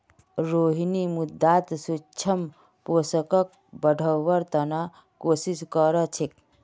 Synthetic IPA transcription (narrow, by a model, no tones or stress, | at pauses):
ɾoɦinimud̪ʱːat̪sut͡ʃʰəm | posəkək̚ | bəɖʱəʋəɾt̪əna | kosiskəɾət͡ʃʰik̚